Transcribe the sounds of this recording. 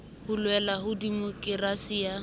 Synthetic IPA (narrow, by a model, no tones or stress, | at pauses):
hʊlwɛlaɦʊdimokʼɪrasija